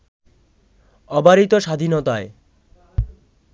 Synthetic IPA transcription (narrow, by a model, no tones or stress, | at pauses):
ɔbaɾit̪oʃad̪ʱinot̪ae